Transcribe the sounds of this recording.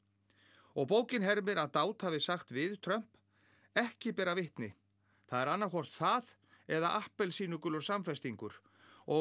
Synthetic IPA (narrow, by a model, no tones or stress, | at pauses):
ɔɣpoːwcɪnɦɛɾmɪɾaðt̪aːwt̪havɪsaxt̪vɪðt̪ʰɾœm̥p | ɛhcɪpɛːɾavɪht̪nɪ | θaðɛɾanːaɾkɔr̥t̪θað | ɛðaʔahpɛlsiːnʏkʏlɔɾsamfɛst̪iŋkʏɾ̥ | ɔ